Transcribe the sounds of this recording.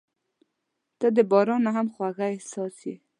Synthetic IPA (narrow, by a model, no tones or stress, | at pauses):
t̪ad̪əbɑɾɑnaɦamxwaɣaɪhsɑsi